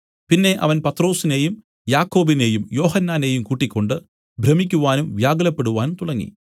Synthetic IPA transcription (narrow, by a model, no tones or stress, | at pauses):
pinːe̞ʔɐ̰ʋɐnpɐt̪ro̞ːsine̞jum | jaːkːo̞ːbine̞jumjo̞ːhɐnːaːne̞jumkuːʈːikʲːo̞ɳɖɨ | bʱɾɐmikʲːuʋaːnumʋjaːɡɐlɐpːe̞ɽuʋaːnumt̪uɽɐŋːḭ